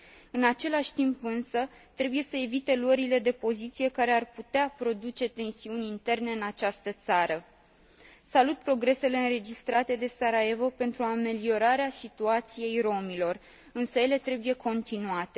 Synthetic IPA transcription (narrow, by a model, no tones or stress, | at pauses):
ɨnat͡ʃe̞laʃʲt̪impɨnsə | t̪ɾe̞buje̞səe̞vit̪e̞luəɾile̞d̪e̞po̞zit̪sije̞kaɾearput̪eapɾo̞d̪ut͡ʃe̞t̪e̞nsiunʲint̪e̞rne̞ɨnat͡ʃast̪ət̪saɾə | salut̪̚pɾo̞ɡɾe̞se̞le̞ɨnɾe̞d͡ʒist̪ɾat̪e̞d̪e̞saɾae̞vo̞pe̞nt̪ɾuame̞lio̞ɾaɾeasit̪uat̪sije̞jro̞milo̞r | ɨnsəje̞le̞t̪ɾe̞buje̞kʰo̞nt̪inuat̪e̞